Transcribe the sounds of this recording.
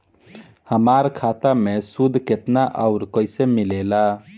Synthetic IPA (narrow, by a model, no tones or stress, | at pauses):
həmaɾkʰat̪amesud̪ʱket̪naʔaʊɾkəjsemilela